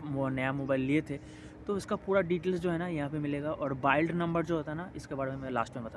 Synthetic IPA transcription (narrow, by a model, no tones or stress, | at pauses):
mnɐjamoːbaːɪlːiet̪ʰe | t̪oɪskapuːɾaɖiːʈeːlsd͡ʒoːɦɛnajɐɦãpemɪleːɡaʔɔːɾbaːɪlɖnɐ̃mbəɾd͡ʒoːɦoːt̪aɦɛnaɪskebaːɽemẽmɛ̃la̰ːsʈmẽmbɐt̪aː